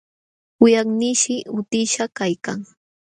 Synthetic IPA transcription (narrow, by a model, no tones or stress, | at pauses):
ʊjaχnɪʃɪʊt̪ɪʃakajka̰ŋ